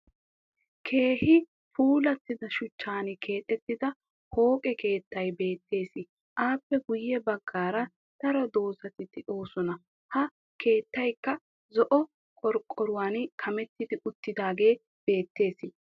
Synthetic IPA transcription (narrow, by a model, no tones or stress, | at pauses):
kʰe̞ːhɪ | puːlɐt̪ːɪd̪ɐʃʊt͡ʃːaːnɪkʰe̞ːt̪ʼːɛt̪ːɪd̪ɐ | ho̞ːkʼɛke̞ːt̪ːɐjbe̞ːt̪ːe̞ːsɪ | ʔaːpːɛɡʊjːɛbɐɡːaːɾɐ | t̪ɐɾɔd̪o̞ːzɐt̪ɪd̪ɛʔo̞ːsɔnɐ | hɐ | kʰe̞ːt̪ːɐjkːɐ | zɔʔɔ | kʼɔɾkʼːɔɾʊwaːnkʰɐmɛt̪ːɪd̪ɪʔʊt̪ːɪd̪aːɡe̞ː | b̥e̞ːt̪ːe̞ːsɪ